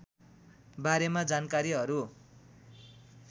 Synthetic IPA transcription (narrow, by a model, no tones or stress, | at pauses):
baɾemad͡zankaɾiɦʌɾu